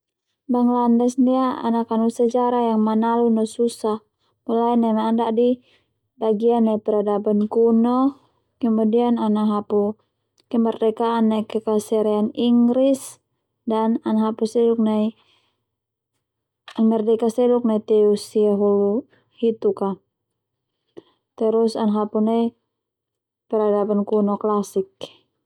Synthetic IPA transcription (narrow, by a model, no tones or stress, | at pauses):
baŋlandɛsniaa̰nakanusəd͡ʒaɾajaŋmanalunɔsusah | mulaɛnamaːndaʔdi | baɡianːaipɛɾadabənkunɔ | kəmudiananaɦapu | kɛmərdɛkaːnːakɛkasɛɾɛaniŋɡɾis | dananɦapusɛduk̚nai | amərdɛkasɛluk̚nait̪ɛusiaɦulu | hit̪uka | t̪ɛɾusanɦapunai | pɛɾadapankunɔklasik̚